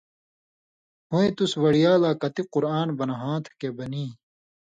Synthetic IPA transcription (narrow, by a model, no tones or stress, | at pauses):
huet̪uswɐɽijaːlaːkɐt̪iqʊɾaːnbɐnɦãːt̪ʰkebɐniː